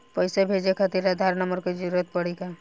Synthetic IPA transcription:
pəjsebʱed͡ʒekʰət̪iɾad̪ʱaɾnəməɾked͡ʒuɾuɾət̪̚pəɽika

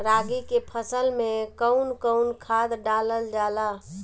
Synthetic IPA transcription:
ɾaɡikepʰəsəlmẽkəʊnkəʊnkʰad̪ɖaləld͡ʒala

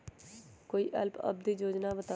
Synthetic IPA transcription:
koːiːʔə̰lpə̰b̚d̪iːd͡ʒoːd͡ʒnaːʋət̪a

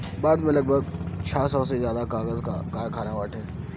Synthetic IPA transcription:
baːɾd̪mẽlɐɡbʱəɡt͡ʃʰaːsɔːsezjaːd̪akaːɣəzkakaːɾkʰaːnaʋaːʈʰɛː

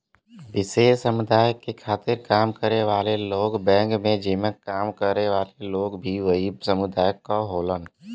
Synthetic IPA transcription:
ʋɪseːsəmʊd̪aːjəkːekʰaːt̪ɪɾkaːmkəɾeʋaːleloːɡbɛ̃ːŋkmẽd͡ʒɪmə̃kaːmkəɾeʋaːleloːɡbʱiʋəisəmʊd̪aːjəkːaɦoːlən

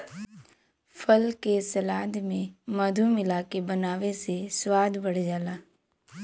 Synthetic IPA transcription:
fʰəlkesɐlaːd̪mẽmɐd̪ʱumɪlaːkebɐnaːʋeseswaːd̪bəɽ̤d͡ʒaːlaː

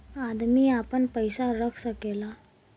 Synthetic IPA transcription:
ad̪miːapəɳpəjsaɾəkʰsəkela

